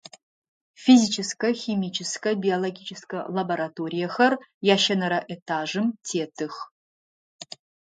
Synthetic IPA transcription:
fizʲit͡ʃʰɪskɐximit͡ʃʰɪskɐbiolˠoɡʲit͡ʃʰɪskɐ̰lɐbɐɾatʰoːɾʲijɐxɐrjaːʃɐnɐɾɐʔetʰaːʐɨmtʰeːtʰɨx

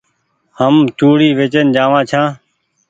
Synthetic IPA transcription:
həmt͡ʃuːɽiːʋeːt͡ʃənd͡ʒãːʋãːt͡ʃʰãː

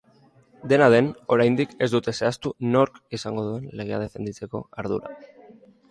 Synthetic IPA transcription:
d̪e̞naðe̞no̞ɾajnd̪ike̞zd̪ut̪e̞se̞ast̪uno̞ɾkisaŋɡo̞ðue̞nle̞ɣ̞e̞a̰ð̞e̞fe̞̰nd̪it͡se̞ko̞̰aɾðṵɾa̰

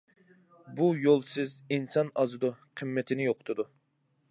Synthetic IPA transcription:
bujolˠsɪzinsɑnɑzɨd̪uqʰəmːɛt̪ʰɪnɪjoqʰt̪ʰɨd̪u

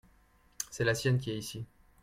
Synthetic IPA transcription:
sɛlasjɛnkʲiɛisi

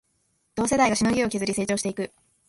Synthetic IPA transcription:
d̪̥o̞ːse̞d̪aiɡaɕino̞ɡʲio̞kʲizɨɾʲise̞ːt͡ɕoːɕt̪e̞ikɯ̟

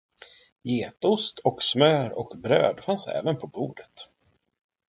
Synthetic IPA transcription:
jeːt̪ʊst̪ʰɔksmœːɾɔkbɾø̰ːd̪fansɛ̰ːvənpʰɔbuːɖ̪ət̪

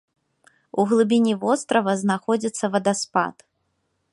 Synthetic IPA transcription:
uɣlˠɨbʲinʲivɔst̪ɾɐvɐznaxɔd͡zʲit̪sːɐvɐd̪aspa̰t̪

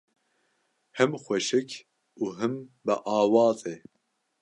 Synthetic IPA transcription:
hɨmxʷɛʃɨkʰ | uːɦɨmbɨ̰ʔɑːwɑːzeː

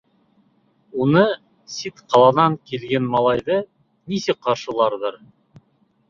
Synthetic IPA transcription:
unɤ | sit̪qɑlˠɑnɑŋkilɡænmɑlˠɑjðɤ | nisɘk̚qːɑɾʃɤ̆lˠɑɾðɤɾ

